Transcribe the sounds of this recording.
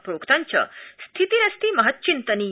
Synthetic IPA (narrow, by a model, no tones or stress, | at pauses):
pɾoːkʰt̪aɲt͡ʃʰɐ̰st̪ʰit̪iɾɐst̪imɐɦət̪̚ːt͡ʃint̪əni